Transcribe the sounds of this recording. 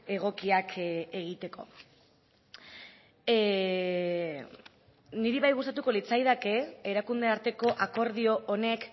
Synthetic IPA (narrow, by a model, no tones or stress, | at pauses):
e̞ɣ̞o̞kiakʰe̞ɣit̪e̞ko̞̰ | niɾiβajɣ̞ust̪at̪̬uko̞lit͡sajðake̞eɾakund̪e̞aɾt̪e̞ko̞ʔako̞ɾð̞io̞ʔone̞k